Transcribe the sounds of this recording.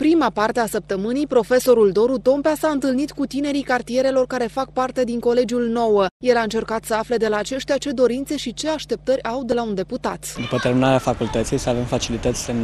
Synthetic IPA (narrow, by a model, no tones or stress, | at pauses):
pɾimapart̪easəp̚t̪əmɨnijpɾo̞fe̞so̞ɾuld̪o̞ɾut̪o̞mpeasaɨnt̪ɨlnit̪kut̪ine̞ɾikart̪ije̞ɾe̞lo̞rkaɾe̞fak̚part̪e̞d̪iŋko̞le̞d͡ʒiulno̞wəje̞laɨnt͡ʃe̞rkat̪səafle̞d̪e̞laːt͡ʃe̞ʃt̪eat͡ʃe̞d̪o̞ɾint̪se̞ʃit͡ʃe̞aʃt̪e̞p̚t̪əɾʲawd̪e̞laund̪e̞put̪at̪d̪upət̪eɾminaɾeafakult̪ət̪sijsəave̞mfat͡ʃilit̪ət̪sʲsə